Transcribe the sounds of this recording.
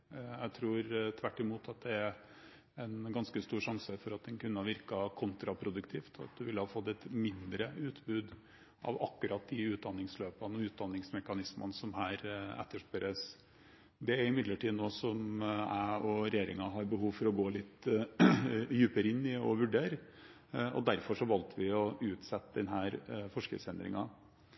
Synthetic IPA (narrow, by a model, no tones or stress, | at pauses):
jæɪt̪ʰɾuːɾt̪ʰʋæʈːɪmuːt̪ʰɑt̪̚d̪ɛæɾ | ɛnɡɑnskəst̪uːɾʂɑŋsəfɔɾɑt̪̚d̪ɛnkʉnːəhɑɾʋɪɾkɑkʰʊnt̪ɾɑpʰɾʊd̪ʉkt̪ʰɪːft̪ʰɑ̰t̪̚d̪ʉʋɪlːhɑfɔt̪ːɛt̪mɪnd̪ɾəʉːt̪bʉːd̪ | ʔɑ̰ʋɑkːʉɾɑt̪̚d̪ɪʉːt̪̚d̪ɑnːɪŋsløːpənɔʉːt̪̚d̪ɑnːɪŋsmɛkɑnɪsmə̰nsɔmhæːɾɛ̰t̪ːəʂpɛɾəs | d̪ɛæɾɪmɪd̪ləʈʰiːnoːsɔmæɔɾɛjeːɾɪŋɑɦɑɾbəɦuːʋfɔɾɔɡoːlɪt̪ː | jʉːpəɾɪnːɪɔ̰ʋʉɖeːɾ | ɔ̰d̪æɾfɔʂɔʋɑlt̪əʋɪɔʉːt̪sɛt̪ːəd̪ɛnɦæːɾfɔʂkə̰sɛnd̪ɾɪ̰ŋɑ